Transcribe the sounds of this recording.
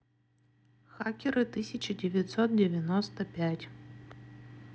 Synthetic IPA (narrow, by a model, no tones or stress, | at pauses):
xakʲɪɾɨt̪ɨsʲɐt͡ɕɐdʲɪvʲɐt̪sɔt̪̚dʲevʲjɐnɔst̪ɐpʲatʲ